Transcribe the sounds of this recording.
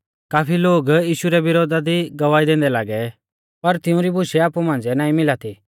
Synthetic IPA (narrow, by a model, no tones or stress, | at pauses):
kaːpʰiloːɡjiːʃuɾɛʋɪɾoːd̪ad̪iɡɐʋaːid̪ẽːnd̪ɛlaːɡɛ | pɐɾt̪ɪũɾibʊʃɛaːpumãːnd͡zɛnaːĩmɪlat̪ʰi